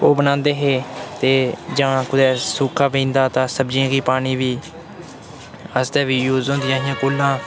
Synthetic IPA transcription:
oːbənãːnd̪eːɦeːt̪eːd͡ʒãːkʊd̪ɛːsuːkʰaːpẽːnd̪aːt̪ãːsəbd͡ʒãːɡiːpaːɽ̃iːʋiː | əsd̪ɛːʋiːjuːzõːnd̪ijãːɦɪ̃jãːkoːlãː

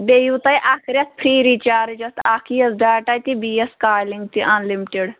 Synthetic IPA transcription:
beːjut̪ɐjʔaːkʰɾʲɐt̪̚pʰɾiːɾiːt͡ʃaːɾd͡ʒɐt̪ʰaːkʰiɐsdaːʈaːt̪ibiːjɐskaːliŋɡt̪iʔanlimiʈeɽ

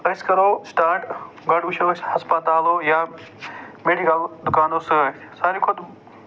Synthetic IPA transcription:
ɐskɐɾoːsʈaːʈ | ɡɐɖʋit͡ʃʰoshɐspɐt̪aːloːja | meːɖikɐld̪ʊkaːnoːsɨɐ | saːɾikʰʊd̪

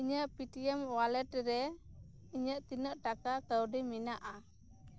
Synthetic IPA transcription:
iɲəʔpiʈiɛmwalɛʈɾɛ | iɲəʔt̪inəʔʈakakəwɖiminaʔa

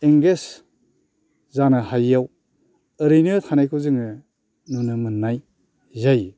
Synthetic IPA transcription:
eŋɡes | zanɯhajːaw | ɯɾɯjnɯtʰanajkʰɯzɯŋɯ | nunɯmɯnːaj | zaj

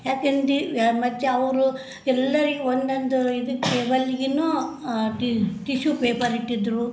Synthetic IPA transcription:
jaːkend̪imɐd̪jeɐʋɾu | ɛlːɐɾiɡeond̪ond̪uid̪ɐkːebɐlːiɡinoʈiʈiʃupeːpɐɾiʈːid̪ɾu

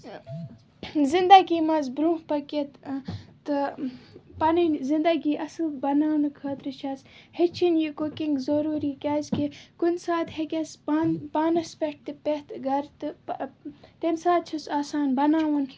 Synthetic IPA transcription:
zind̪ɐɡimɐzbɾũːhpɐket̪t̪ɨ | pɐninzind̪ɐɡiːʔɐsɨlbɐnaːnɨkʰɐːt̪ɾɨʃʰaːshet͡ʃʰinjikokiŋɡzɐɾuːɾiːkʲaːzkekunʲsaːt̪hekʲɐspaːnpaːnɐspʲeʈ̚t̪ɨpet̪ɡɐɾt̪ɨ | t̪ensaːt̪̚t͡ʃʰɐsaːsaːnbɐnaːʋɐn

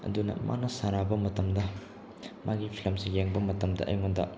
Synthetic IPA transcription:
ɐ̰dunɐ̰mʔa̰nɐsaɾabɐmɐtɐmdɐ | mʔaɡipʰilɐmsijeŋbɐmɐtɐmdɐ̰ʔɐ̰jŋondɐ̰

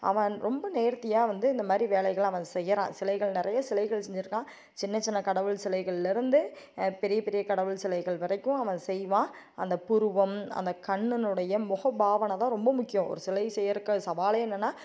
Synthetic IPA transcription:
ɐ̰ʋɐ̃ɾɔmbɐneːɾt̪ɪjaːʋɐnd̪ɯɪnd̪ɐmaːd̪ɾiʋeːlɐɪɣɐɭɐʋɐ̃sɛjːɐɾã̰ːsɪlɐɪɣɐɭnɪɾɐjɐsɪlɐɪɣɐɭsɛɲd͡ʒɪɾɯkːãː | t͡ʃɪnːɐt͡ʃːɪnːɐkɐɽɐʋɯlsɪlɐɪɣɐɭlɪɾɯnd̪ɯ | pɛɾɪjɐpɛɾɪjɐkɐɽɐʋɯɭsɪlɐɪɣɐɭʋɐɾɐɪkːʊ̃ɐʋɐ̃sɛjʋãː | ɐ̰nd̪ɐpʊɾɯʋɐmɐ̰nd̪ɐkɐɳːɯnɯɽɐjɐmʊɣɐbaːʋɐnɐt̪ãːɾɔmbɐmʊkːɪjɔ̃ɔ̰ɾɯsɪlɐɪsɛjːɐɾɯkːɐsɐʋaːleɛnːɐnːaː

